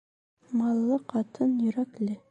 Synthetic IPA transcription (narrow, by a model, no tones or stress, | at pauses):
mɑlˠːɤqɑt̪ʰɤnjɵ̆ɾæklɘ